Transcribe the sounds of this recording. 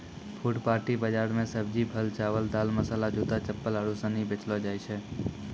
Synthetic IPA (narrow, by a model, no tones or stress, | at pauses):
pʰʊʈpaːɾʈibəd͡ʒaːɾmẽsəb̚d͡ʒipʰəlt͡ʃaːʋəlt̪aːlməsaːlad͡ʒuːt̪at͡ʃəpːələɽusə̃nĩbet͡ʃlod͡ʒaːjt͡ʃʰɛː